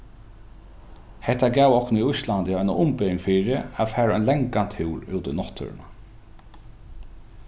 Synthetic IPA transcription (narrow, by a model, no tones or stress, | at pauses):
hɛht̪ːaɡæːwɔhknʊiʊjslant̪jajnaʊmpɪɪ̃ŋfiːɹɪafæːɹaɛnlɛŋkant̪ʰhɪwɾuːt̪ɪnɔht̪ʰːʏ̰ɹɪ̰na